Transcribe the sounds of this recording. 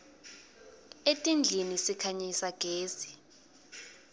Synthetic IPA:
etʼind͡ɮʱinisikʰaɲisaɡ̥ʱeːsi̥

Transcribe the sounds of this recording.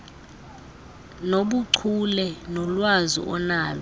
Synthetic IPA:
noɓuǀʰulɛnɔlwazḭʔɔnaːlɛ

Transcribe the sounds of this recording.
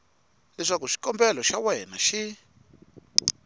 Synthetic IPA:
lɛʂakuʂi̥kɔmbɛlɔʃawɛnaʃi

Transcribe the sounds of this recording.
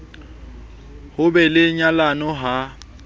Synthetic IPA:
hʊbɛlɪɲalanɔɦa

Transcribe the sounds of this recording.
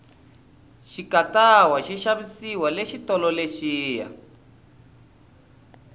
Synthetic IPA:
ʃikatawaʃiʃaβisiwaleʃitɔlɔleʃiːja̰

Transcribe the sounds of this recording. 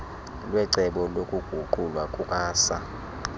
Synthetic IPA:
lwɛǀɛɓɔlokʼuɡ̥ʱuǃulwakʼukʼaːsa

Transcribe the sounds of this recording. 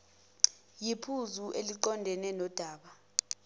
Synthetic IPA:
jipʰuzuʔeliǃɔndʱɛnɛnɔd̥ʱaːɓa

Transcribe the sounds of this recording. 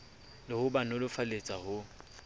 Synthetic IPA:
lɪhʊbanʊlʊfalet͡sʼahʊ

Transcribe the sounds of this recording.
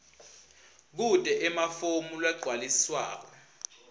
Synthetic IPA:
k̬utʼɛʔɛmafomulwaǃʱwalisswa̰ːk̬ɔ

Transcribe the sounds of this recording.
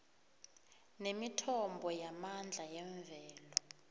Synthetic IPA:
nemitʰɔmbʱɔjamand͡ɮʱajɛɱvɛːlɔ

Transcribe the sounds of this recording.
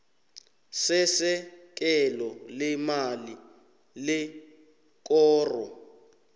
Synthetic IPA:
sɛsɛk̬ʼɛlɔlɛmali | lɛ | k̬ʼɔːrɔ̰

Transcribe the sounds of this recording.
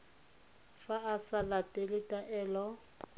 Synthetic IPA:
faasalatʼelɪtʼaʔɛːlɔ

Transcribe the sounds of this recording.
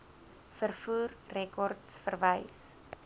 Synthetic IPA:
fərfuːrrɛkɔrtsfərvəjs

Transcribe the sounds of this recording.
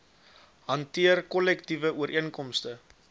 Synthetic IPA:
ɦɐntiərkɔlɛktivəʔuəɾʔiənkɔmstə

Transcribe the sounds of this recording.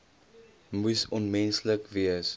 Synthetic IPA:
musɔnmɛnsləkviəs

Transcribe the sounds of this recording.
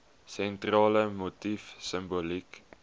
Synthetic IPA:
sɛntrɑːləmutifsəmbulik

